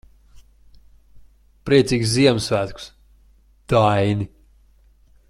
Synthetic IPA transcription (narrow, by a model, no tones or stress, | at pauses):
pɾiɛt̪siːɡʲsziɛmsvæːt̪ku̥s | d̪̥ajni